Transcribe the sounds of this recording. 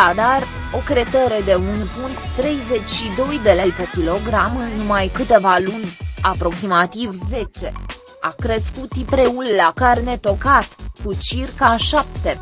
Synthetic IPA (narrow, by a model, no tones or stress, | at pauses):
ad̪ar | o̞kɾe̞t̪eɾe̞d̪e̞unpunt̪t̪ːɾe̞jze̞t͡ʃʲʃid̪o̞jd̪e̞lejpekʲilo̞ɡɾamɨnnumajkɨt̪e̞valunʲapɾo̞ksimat̪ivze̞t͡ʃe̞ | a̰kɾəskut̪ipɾe̞ulːakarne̞t̪o̞kat̪kut͡ʃirkaʃap̚t̪e̞